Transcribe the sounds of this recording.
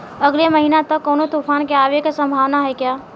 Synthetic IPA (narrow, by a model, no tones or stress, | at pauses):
əɡleməɦinat̪əkːoːnot̪ufʰaːnkeaːʋekasə̃mbʱaːʋnaɦɛkjaː